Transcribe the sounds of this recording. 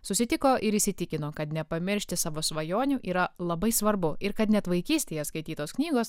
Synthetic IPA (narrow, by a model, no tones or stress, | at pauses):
sʊsʲɪt̪ʲɪkoːʔɪɾɪːsʲɪt̪ʲɪkʲɪnoːkɐt̪nʲɛpɐmʲɪɾʲʃʲt̪ʲɪsɑːʋoːsʋɐjoːnʲuːʔiːɾɐlˠɐbɐɪsʋɐɾbʊɪɾkɐt̪nʲɛt̪ʋɐɪkʲiːsʲt̪ʲeːjɛskɐɪt̪ʲiːt̪oːsknʲiːɡoːs